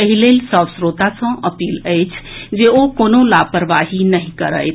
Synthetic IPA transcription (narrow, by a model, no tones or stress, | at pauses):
əɦilelsə̃bsɾot̪asə̃əpiːləjt͡ʃʰd͡ʒeokoːnolapəɾʋaɦinəɦĩkəɾə̰jt̪